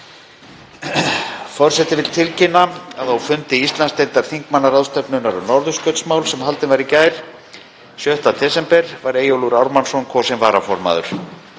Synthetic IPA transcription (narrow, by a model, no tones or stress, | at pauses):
fɔr̥sɛt̪ɪvɪlt̪ʰɪlcɪnːaaðθawfʏnt̪ɪist̪lanst̪ejnt̪aɾ̥θiŋkmanːaɾaðst̪ɛpnʏnaɾʏnɔɾðʏskœt̪smawlsɛmhalt̪ɪnvaɾicaːjɾ̥ | sjœht̪atθʰɛsɛmpɛɾ̥vaɾeːjowluɾawɾmansɔnkʰɔsɛnvaːɾafɔɾma̰ðʏ̰ɾ̥